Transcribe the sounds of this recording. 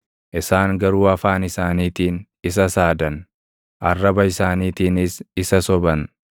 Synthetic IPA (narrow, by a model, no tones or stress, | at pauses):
ʔɪsaːŋɡɐɾuːɐfaːnɪsaːniːt̪iːn | ɪs̬ɐsaːd̪ɐn | ʔɐrːɐbɐɪsaːniːt̪iːnɪsɪsɐsɔbɐn